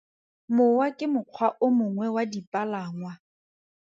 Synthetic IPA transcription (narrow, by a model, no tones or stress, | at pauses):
mʊwakʼɪmʊq͡χʰwaʔʊmʊŋwɛwadipʼalaːŋwa